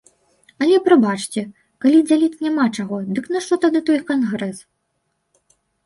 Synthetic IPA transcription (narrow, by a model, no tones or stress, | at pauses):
ɐlʲɛpɾabat͡ʂt͡sʲɛ | kalʲid͡zʲalʲit̪nʲamat͡ʂaɣɔd̪ɨknɐʂt̪ɔt̪ad̪ɨt̪ɔjkanɣɾɛs